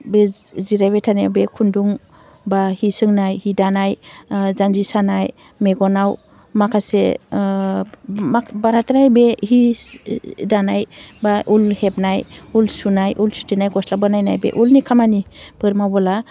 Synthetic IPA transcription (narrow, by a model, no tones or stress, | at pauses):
beziɾajβetʰanebekʰunduŋ | bahisɯŋnajhidanajzanzisanaj | meɡɔnaw | makʰase | abaɾatɾajbehi | danajbaʔulhep̚najulsunajʔulsu̥tinajɡɔslabɯnajnajbḛʔulnikʰamanibɯɾmawbɔla